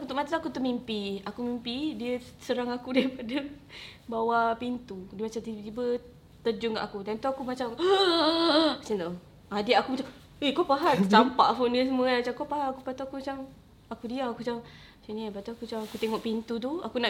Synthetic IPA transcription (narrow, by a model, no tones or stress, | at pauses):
kut̪uʔmat̪at̪akut̪uʔmimpiakumimpidiəsəɾaŋakudaɾipadabawapint̪udəmat͡ʃamt̪it̪ibə | t̪əd͡ʒʊŋka̰ʔakudant̪uakumat͡ʃa | mat͡ʃant̪u | adiakumat͡ʃa | ekopaɦat͡ʃsampaʔfondiəs̬əmuəamat͡ʃamkopaɦaakupat̪uakumat͡ʃam | akudiaakut͡ʃa | siniapat̪uakut͡ʃamakut̪eŋɔʔpint̪ut̪̬uakuna